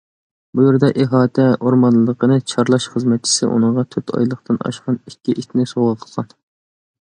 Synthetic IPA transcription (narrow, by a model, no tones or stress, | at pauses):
bujeɾd̪ɛʔeɦɑːt̪ʰɛoɾmɑnlˠɨːəqənɨt͡ʃʰɑɾlˠɑʃχəzmɛt̪̚t͡ʃʰi̥sɪ̰ʔṵnɨəɴʁɑt̪ʰøt̪ʰɑ̰jlˠəχt̪ɨnɑ̰ʃqɑnikʲːiʔit̪ʲnɪsoʁəqʰə̥lˠʁɑn